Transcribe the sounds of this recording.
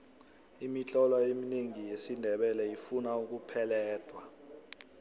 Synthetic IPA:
imit͡ɬʼɔlaemineŋijesindʱɛɓɛlɛjifunauk̬upʰɛlɛːd̥ʱwa

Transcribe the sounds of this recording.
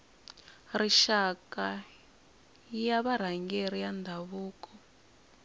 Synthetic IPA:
riʃaka | jaβaɾ̤aŋɡeɾ̤ijand̪ʱaβuːkɔ

